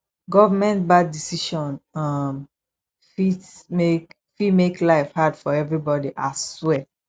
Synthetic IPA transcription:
ɡɔvamɛ̃ntbad̚disiʃɔ̃nʌm | fitmek | fimeklaɪfhadfɔɛvɹibɔdiʔaswɛ

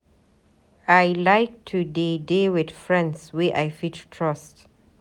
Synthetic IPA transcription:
ajlaɪk̚tʰudidiwɪd̥fɹɛ̃ndswiʔajfittʰɹast

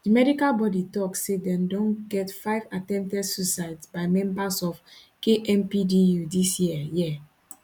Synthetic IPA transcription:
dimɛɾikalbɔditɔkːedɛ̃mdɔ̃nɡɛtfaɪvatɛ̃mp̚tɛdsusaɪdsbaɪmɛ̃mbasɔf | keʔɛ̃mpidijudisjiəjɛ

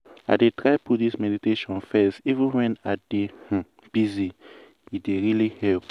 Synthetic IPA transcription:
a̰ɪdetɹaɪputdismɛditeʃɔ̃nfɛstivə̃nwɛ̃nadeh̩ | b̥izi | ideɹilihɛlp

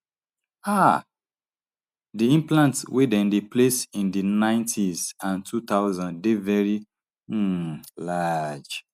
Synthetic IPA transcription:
a | diĩmplãntswidɛ̃ndeplesĩndinãɪ̃ntʰizãntʰut̪aʊzãndevɛɹi | lad͡ʒ

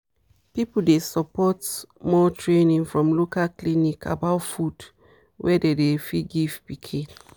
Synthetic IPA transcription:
pipudesəpɔtmɔtʰɹenĩŋfɹɔ̃mlokalklinikʰa̰baʊtfud | wʔɛdedefiɡivpikʰĩn

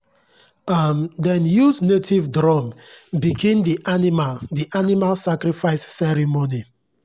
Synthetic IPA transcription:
amdɛ̃njusnetʰivdɹɔmbiɡʰẽndiʔanimaldiʔanimalsakɾifaɪsːɛɾimoni

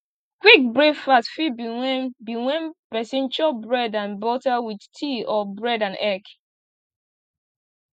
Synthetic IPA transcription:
kwik̚bɹefasfibbiwɛ̃npɛsĩnt͡ʃɔbɹɛdãnbɔtawiθtʰiɔbɹɛdãnɛk

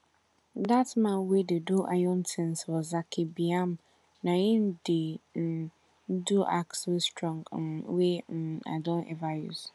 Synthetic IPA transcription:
datmãnwededuʔajɔ̃ntʰɪ̃nswɔzakʰɪbiam | nãĩndɪn̩ | duʔa̰kswestʰɹɔ̃ŋɡwen̩a̰dɔ̃nʔɛ̰vajṵz̥

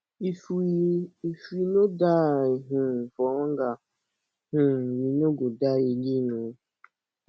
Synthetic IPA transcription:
ifiifuinodaiɦũfɔŋɡa | hũwinoɡodajeɡinũ

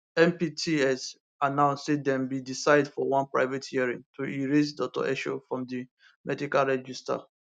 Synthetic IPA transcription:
ɛ̃mpitʰiɛs | anãʊ̃nsedɛ̃mbidisaɪdfɔwãnpɹa̰ɪvethiaɹĩŋtʰuiɹesdɔk̚tɔ̰ʔɛʃo̰fɹɔ̃mdi | mʔɛdikalɹɛd͡ʒista̰

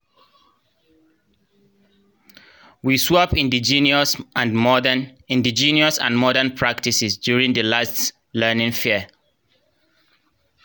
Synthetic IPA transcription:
wiswɔpĩndid͡ʒinsãnmɔĩndid͡ʒĩniɔsã̰nmɔɾənpʰɹaktisɪsdjuɹĩŋdəlast | lɜnĩŋfiə

